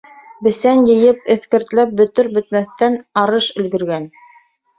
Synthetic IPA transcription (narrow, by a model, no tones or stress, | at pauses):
bɘ̆sænjɘ̆jɘp̚ɘ̆θkɘ̆ɾt̪læp̚bɵ̆t̪ɵɾbɵ̆t̪̚mæθt̪ænɑɾɤʃɵ̆lɡɘ̆ɾɡæn